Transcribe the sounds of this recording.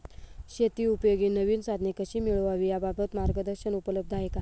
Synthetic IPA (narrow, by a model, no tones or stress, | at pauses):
ɕet̪iːupjoɡiːnəʋiːnsad̪ʱnekəɕiːmiɭʋaʋiːjababət̪maɾɡəd̪əɾɕənupələb̚d̪ʱajeka